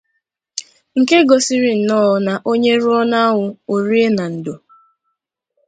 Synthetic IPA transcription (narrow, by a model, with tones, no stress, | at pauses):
ŋ̩˨ke˦ɡɔ˨si˦ɾi˨n̩˨nɔː˦˨˦na˨ʔo˦ɲe˦ɾʊ˦ɔ˦na˦ɦʊ˨o˨ɾi˦e˦na˨n̩˨do˨